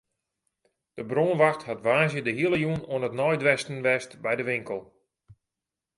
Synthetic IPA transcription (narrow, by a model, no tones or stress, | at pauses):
d̥əbroːnʋaxthatʋaːzjədəɦiələjuənoənətnɔjdʋɛstən̩ʋɛstbɛjdəʋɪŋkəlˠ